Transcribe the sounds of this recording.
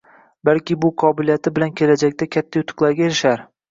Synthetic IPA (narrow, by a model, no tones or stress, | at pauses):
balkʲɪbʊqʰɒbɪlijat̪ʰɪbɪlankʲʰe̞lad͡ʒakʲt̪akʲʰat̪ʰːajʊt̪ʰɨ̥qlˠaɾɡʲaeɾɪʃaɾ